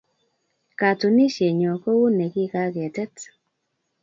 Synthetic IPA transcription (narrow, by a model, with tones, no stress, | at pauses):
ka˨tu˨ni˦ʃje˨ɲo˨ko˦wu˦ne˨ki˦ka˦ɡɛ˨tɛ˦t